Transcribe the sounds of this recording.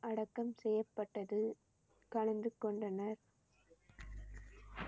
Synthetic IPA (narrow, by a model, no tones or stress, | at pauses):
ʔɐɽɐkːɐmsɛjːɐpːɐʈːɐðɯ | kɐɭɐnd̪ɯkːɔɳɖɐnɐɾ